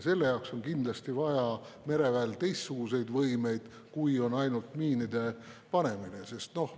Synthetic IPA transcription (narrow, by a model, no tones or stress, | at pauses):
se̞lːe̞jɑwkso̞nkind̪̥lɑst̪ivɑjɑ | me̞ɾe̞væelt̪e̞jst̪suɡ̥use̞jd̪vɤjme̞jd̪̥ | kujo̞nɑjnult̪miːnid̪e̞ | pɑne̞mine̞se̞st̪no̞h